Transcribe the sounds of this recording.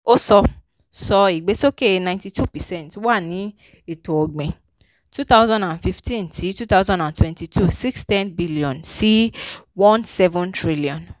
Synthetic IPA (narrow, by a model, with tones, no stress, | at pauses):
o˦sɔ˧ | sɔ˧i˨ɡ͡be˨˦so˦ke˦˨nã˨ɪ̃nti˨tʰu˦˨pɛ˨sɛ̃˦˨ntwa˦˨nĩ˨˦ | e˨to˨o˨ɡ͡bẽ˨ | tu˦t̪a˦ʊzɔ̃˦ndã˨nfi˧ftĩ˦ntʰi˨˦tu˦ta˦wzɔ̃˦ndã˨ntwɛ̃˨nti˨tʰu˦˨si˦kstɛ̃˦nbi˦li˨ɔ̃˨nsi˦wɔ̃˦nsɛ˦vɔ̃˦ntɹi˦li˨ɔ̃˨n